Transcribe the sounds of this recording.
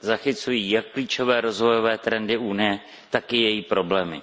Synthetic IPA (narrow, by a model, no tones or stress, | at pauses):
zaxɪt͡sujiːjakːliːt͡ʃo̞vɛːɾo̞zvo̞jo̞vɛːt̪ɾɛndɪʔunɪjɛ | t̪akɪjɛjiːpɾo̞blɛːmɪ̰